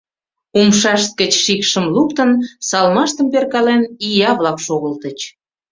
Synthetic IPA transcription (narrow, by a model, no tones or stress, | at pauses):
umʃɑʃt̪̚kət͡ɕʃikʃəmlukt̪ənsɑlmɑʃt̪əmperkɑlenijɑβlɑkʃoɣəlt̪ət͡ɕ